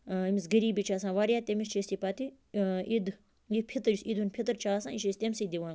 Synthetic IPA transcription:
imisɡəɾiːbit͡ʃʰaːsãːʋaːɾjaːt̪emist͡ʃʰesʲipat̪i | id̪ | jipʰit̪ɐd͡ʒisid̪unpʰit̪ɐɾt͡ʃʰaːsãːiʃist̪ʲemʲsid̪iʋãːn

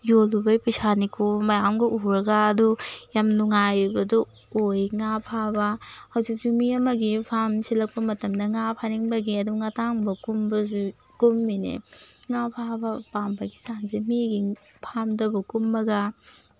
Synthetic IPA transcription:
jolubɐjpɐsanikʰomɐjamɡɐʔuɾɐɡaːdujamnuŋajbɐdɔ | ojŋapʰabɐhɐwzik̚zumiɐmɐɡipʰamsilɐk̚pɐmɐtɐmdɐŋapʰaniŋbɐɡiɐduŋataŋbɐkumbɐzu | kumːinḛŋapʰabɐpambɐɡisaŋzemiɡipʰamdɐbɐkumːɐɡɐ

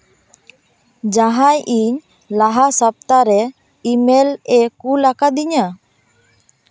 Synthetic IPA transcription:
d͡ʒaɦajʔiɲ | laɦasap̚t̪aɾɛ | imelɛkulakad̪iɲa

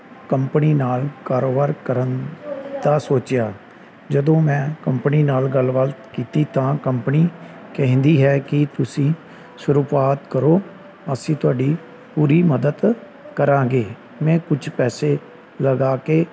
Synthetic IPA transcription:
kəmpəniːnaːlkaːɾoːbaːɾkəɾənd̪aːsoːt͡ʃjaː | d͡ʒəd̪õːmɛ̃ːkəmpniːnaːlɡəlʋalt̪kiːt̪iːt̪ãːkəmpniː | kɛɦnd̪iːɦɛːkɪt̪ʊsĩː | sʊɾuːpaːt̪kəɾoː | əsĩːt̪ʊaːɖiː | puːɾiːməd̪əd̪ | kəɾãːɡeː | mɛ̃ːkʊd͡ʒʰpɛːseː | ləɡaːkeː

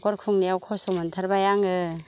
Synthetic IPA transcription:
kɔɾkʰuŋnijawkʰɔsɔmɯntʰaɾbajaŋɯ

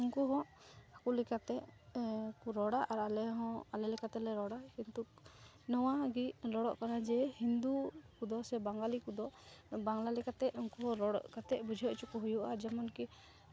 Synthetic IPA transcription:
uŋkuɦɔ̃ | akulɛkat̪ɛ | kuɾɔɽaʔaɾalɛɦɔ̃alɛlɛkat̪ɛlɛɾɔɽakint̪uk̚ | nɔwaɡilɔɽɔʔkanad͡ʒɛhind̪ukud̪ɔsɛbaŋɡalikud̪ɔbaŋlalɛkat̪ɛʔuŋkuɦɔ̃ɾɔɽɔ̰ʔkat̪ɛbud͡ʒʱiɔʔt͡ʃukɔɦujuʔad͡ʒamɔnki

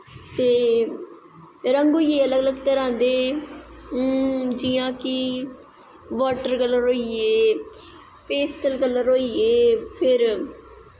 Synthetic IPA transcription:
t̪eː | ɾə̃ŋɡoːieːələɡələɡt̪əɾãːnd̪eː | d͡ʒɪjãːkɪ | ʋaːʈəɾkələɾɦoːieː | peːsʈəlkələɾɦoːieːpʰɪɾ

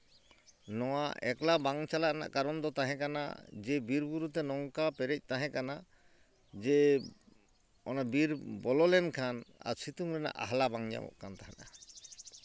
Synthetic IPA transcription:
nɔwaʔɛ̰klabaŋt͡ʃalaʔna̰ʔkaɾɔnd̪ɔt̪aɦɛ̃kana̰d͡ʒɛbiɾbuɾut̪ɛnɔŋkapɛɾɛc̚ˀt̪aɦɛ̃kana | d͡ʒɛ | ɔ̰nabiɾbɔlɔlɛnkʰana̰ɾsʰit̪uŋlɛna̰ʔa̰ɦlabaŋd͡ʒa̰mɔ̰ʔkant̪aɦana̰

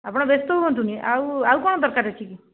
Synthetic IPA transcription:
apɽ̃abest̪oɦuɦɔnt̪̬ũniʔauaukɔɳ̃od̪əɾkaɾət͡ʃʰiki

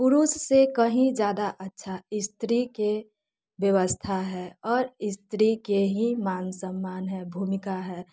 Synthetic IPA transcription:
pʊɾussekəɦĩd͡ʒjaːd̪aʔətːʃʰaɪst̪ɾike | ʋjəʋəst̪ʰaɦɛɔːɾɪst̪ɾikeɦimaːnsəmːaːnɦɛbʱumɪkaɦɛː

